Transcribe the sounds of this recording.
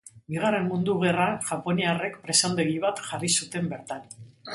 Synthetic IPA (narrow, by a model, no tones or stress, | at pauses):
biɣ̞aremmund̪uɣ̞e̞ranʝapo̞niare̞kpɾe̞sand̪eɣiβat̪ʝarisut̪e̞mbe̞ɾt̪an